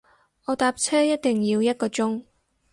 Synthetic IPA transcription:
ʔɔː˨˧t̪aː˧p̚t͡sʰɛː˥jɐ˥t̚t̪ɪ˨˩ŋjiː˧wjɐ˥t̚kɔː˧t͡ʃʊ˥ŋ

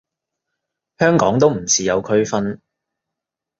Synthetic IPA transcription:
hœː˥ŋkɔ̰ː˨˥ŋt̪o˥wm̩˨˩t͡sʰiː˨jɐ˨˧wkʰɵ˥ɥfɐ˥n

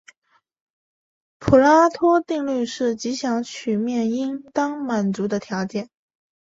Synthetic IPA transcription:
pʰu˨˩la˥t̪ʰɔ˥t̪i˥˧ŋly˥˧ʂɻ̩˥˩t͡ɕi˧˥ɕjɑ˧˥ŋt͡ɕʰy˨˩mjɛ˥˩ni˥nt̪ɑ˥ŋma˨˩nt͡su˧˥d̪ə˧t̪ʰjɑ˧˥ʊt͡ɕjɛ˥˩n

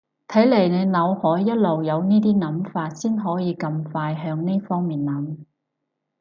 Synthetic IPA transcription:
t̪ʰɐ˨˥jle˨˩jne˨˧jnɐ˨˧whɔː˨˥jːɐ˥t̚lo˨wjɐ˨˧wniː˥t̪iː˥nɐ˨˥mfaː˧t̚siː˥nɦɔː˨˥jiː˨˧kɐ˧mfaː˧jɦœː˧ŋni˥fɔː˥ŋmiː˨nnɐ˨˥m

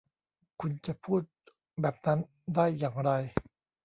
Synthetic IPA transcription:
kʰu˧nt͡ɕa˨˩pʰuː˥˩t̪̚ | bɛː˨˩p̚na˦˥n | daː˥˩jːaː˨˩ŋɾa˧j

